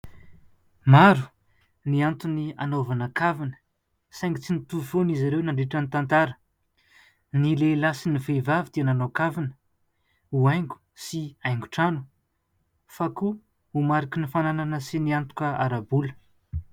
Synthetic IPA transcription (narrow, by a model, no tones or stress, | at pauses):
maɾu̥ | niant̪unia̰novanakavinə̥ | saŋɡit͡sinit̪ufonizaɾewnaɳɖ͡ʐeʈ͡ʂənit̪ant̪aɾə̥ | nilelasinivevavid̪iananokavinə̥ | uajŋɡu̥ | siajŋɡuʈ͡ʂanu̥ | faku | umaɾikʲinifanananəsiniant̪u̥kəaɾabulə̥